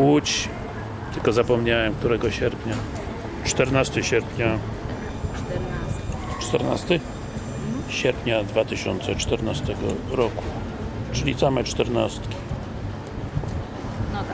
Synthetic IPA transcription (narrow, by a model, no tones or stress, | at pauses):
wut͡ɕ | t̪ɘlkɔzapɔmɲawɛmk̚t̪uɾɛɡɔɕɛɾpʲɲa | t͡ʂt̪ɛɾnast̪ɘɕɛɾpʲɲa | t͡ʂt̪ɛɾna̰st̪ɘ | ɕɛɾpʲɲad̪vat̪ɘɕɔ̰nt̪sɛt͡ʂt̪ɛɾnast̪ɛɡɔ̰ɾɔku̥ | t͡ʂɘlʲit̪samɛt͡ʂt̪ɛɾna̰st̪kʲi̥